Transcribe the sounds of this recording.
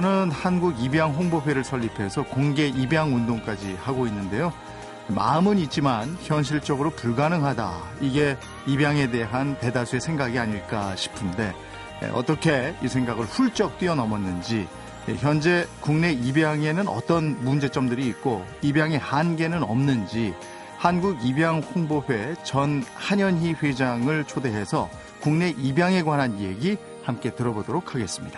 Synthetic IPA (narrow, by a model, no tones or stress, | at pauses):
nɯnhanɡuɡibjaŋɦoŋboɸeɾɯɭsʰʌʎːipʰe̞sʰʌkoŋɡe̞ibjaŋundoŋk͈ad͡ʑihaɡoinːɯnde̞jo | ma̰ɯmɯɲit͡ɕ͈imançjʌnɕ̬ʰiɭt͡ɕ͈ʌɡɯɾopuɭɡanɯŋɦada̰ | iɡe̞ | ibjaŋe̞de̞ɦante̞dasʰue̞sʰeŋɡaɡiaɲiɭk͈aɕʰi̥pʰɯnde̞̰ | ʌ̰t͈ʌkʰe̞isʰe̞ŋɡaɡɯɭɸuɭt͡ɕ͈ʌk̚t͈ɥiʌnʌmʌnːɯnd͡ʑḭ | çjʌnd͡ʑe̞kuŋne̞ibjaŋe̞nɯnʌ̰t͈ʌnmund͡ʑe̞t͡ɕ͈ʌmdɯɾiːt̚k͈o | ibjaŋehanɡe̞nɯnʌ̰mnɯnd͡ʑi | hanɡuɡibjaŋɸoŋboɸe̞t͡ɕʌnhaɲʌnɦiɸwed͡ʑaŋɯɭt͡ɕʰode̞ɦe̞sʰʌ | kuŋne̞ʔibjaŋe̞ɡwanɦanje̞ɡi | hamk͈e̞tɯɾʌbodoɾokʰaɡe̞s͈ɯ̥mɲid̥a